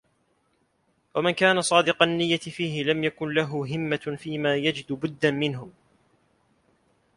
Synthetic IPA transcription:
wamankaːnasˤɑːd̪ɪqɑnːɪjːat̪ɪfiːɦɪlamjakʊnlaɦʊɦɪmːafiːmaːjad͡ʒɪd̪bʊd̪ːanmɪnɦʊ

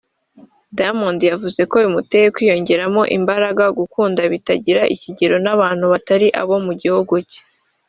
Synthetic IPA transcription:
damondijavuze̞ko̞jumutejekwiːjo̞ɲɟe̞ɾamo̞ʔḭmbaɾaɡaɡukuːndaβitaɟiɾaʔiciɟeɾo̞naβaːn̥huβataɾiʔa̰βo̞muɟihuɡuce̥

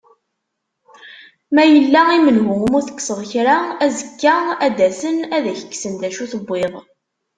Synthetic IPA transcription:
mæjəlːæimənɦʊəmʊɾθə̥kːsəðˤçɾaæzəkːaæd̪æsənæðæçə̥kːsənd̪æʃuθəbːeðˤ

